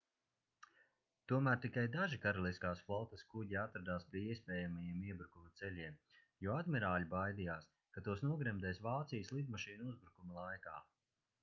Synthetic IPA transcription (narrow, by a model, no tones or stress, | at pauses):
t̪uɔmæːɾt̪ikajd̪aʒikaɾalˠiskaːsflˠɔt̪ɐskuɟiat̪ɾad̪aːspʲiɛiɛspʲɛːjamajiɛmiɛbɾukumɐt̪sɛlʲiɛm | jɔad̪mʲiɾaːlʲibajd̪ijaːs | kat̪uɔsnuɔɡɾɛmd̪ɛːsvaːt̪sijəslˠid̪maʃiːnuuzbɾukumɐlˠajkaː